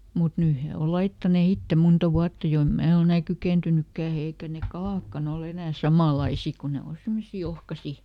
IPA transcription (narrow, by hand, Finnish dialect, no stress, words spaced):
mut nyː he ol lɑitːɑne itːe montɑ ʋuɑtːɑ jo em mæː ol enæ kykeˑntynykːæː eikæ ne kɑlɑˑkːɑn ol enæː sɑmɑˑlɑisi ku ne o simːosiː ohkɑsi